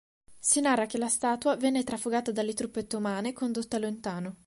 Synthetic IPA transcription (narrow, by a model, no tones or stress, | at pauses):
sinarːak̟elast̪aːt̪wavɛnːet̪ɾafoɡaːt̪ad̪alːet̪ɾupːet̪ːomaːnekond̪ot̪ːalont̪aːno